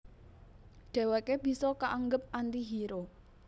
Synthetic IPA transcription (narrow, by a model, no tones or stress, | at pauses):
ɖ̥ɛ̤wekeb̥i̤sɔkaʔaŋɡəp̚ant̪iɦiɾo